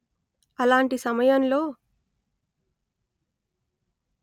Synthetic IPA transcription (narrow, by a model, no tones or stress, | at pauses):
ɐlaːɳʈisɐmɐjɐnlo̞ː